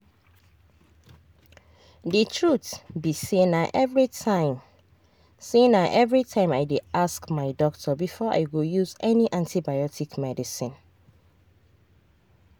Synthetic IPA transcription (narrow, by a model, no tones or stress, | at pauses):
ditʰɹutbisenaʔɛvɹitãɪ̃m | senaʔɛvɹitʰãɪ̃maɪdeaskmaɪdɔk̚tʰɔbifɔʔa̰ɪɡojuzɛniʔãntʰibajɔtʰikmɛdisĩn